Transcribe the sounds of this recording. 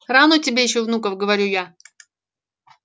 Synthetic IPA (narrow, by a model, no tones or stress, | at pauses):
ranotʲɪbʲejɪɕːovnukəfɡəvɐɾʲuja